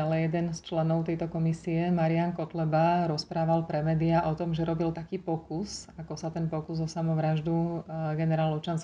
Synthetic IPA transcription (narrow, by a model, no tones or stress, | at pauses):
alɛjɛd̪ɛnst͡ʃlɛnɔʊt̪ɛjt̪ɔkɔmisiɛmaɾiankɔt̪lɛbaɾɔspɾaːʋalpɾɛmɛːd̪iaʔɔt̪ɔmʒɛɾɔbilt̪akiːpɔkusakɔsat̪ɛnpɔkuzɔsamɔʋɾaʒd̪uɡɛnɛɾaːlɔt͡ʃans